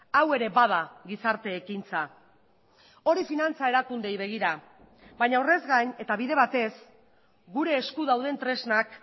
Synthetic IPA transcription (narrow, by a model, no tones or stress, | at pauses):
awe̞ɾe̞baðaɣisaɾt̪e̞ːkint͡sa | o̞ɾifinant͡sae̞ɾakund̪e̞jβ̞e̞ɣ̞iɾa | bajɲaore̞zɣaɲe̞t̪aβiðe̞β̞at̪e̞s | ɡuɾe̞ːskuðawðe̞nt̪ɾe̞znak